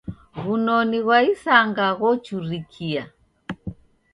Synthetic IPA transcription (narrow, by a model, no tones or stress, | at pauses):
ɣunɔniɣwaisaŋɡaɣɔt͡ʃuɾikʰia